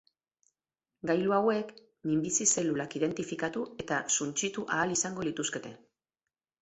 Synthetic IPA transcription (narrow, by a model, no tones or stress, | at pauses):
ɡajluawe̞k | mimbisise̞lulakiðe̞nt̪ifikat̪ue̞t̪asunt͡ʃit̪uʔaːlisaŋɡo̞lit̪uske̞t̪e̞